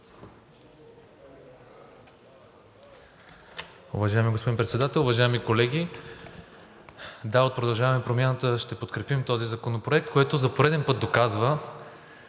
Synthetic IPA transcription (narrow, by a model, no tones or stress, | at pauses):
ṵvɐʒajɛmiɡospod̪inpɾɛt̪sɛd̪at̪ɛlˠʊvɐʒajɛmikolɛɡʲi | d̪aot̪̚pɾod̪ɐlˠʒavɐmɛpɾomʲjanət̪əʃt̪ɛpot̪kɾɛpimt̪ɔzizɐkonopɾoɛk̚t̪̚koɛt̪ozɐpoɾɛd̪ɛnpɤt̪̚d̪okazvə